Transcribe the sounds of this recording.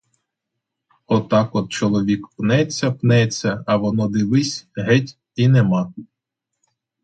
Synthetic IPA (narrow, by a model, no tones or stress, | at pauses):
ɔt̪ɑkɔt̪̚t͡ʃɔlˠɔʋʲikpnɛt͡sʲːɐpnɛt͡sʲːɐːʋɔnɔd̪ɪʋɪsʲɦɛtʲ | inemɑ